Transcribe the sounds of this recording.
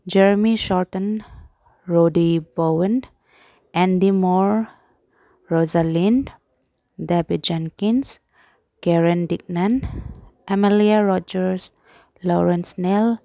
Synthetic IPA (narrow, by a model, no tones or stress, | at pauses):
d͡ʒɛɹmiʃɔɹtə̃n | ɹodibowə̃n | ʔɛ̃ndimɔɹ | ɹɔzalĩn | dɛbit̚d͡ʒɛ̃ŋkĩns | kɛɹə̃ndik̚nãnʔɛmaliaɹɔd͡ʒəɹs | lɔɹə̃nsnɛl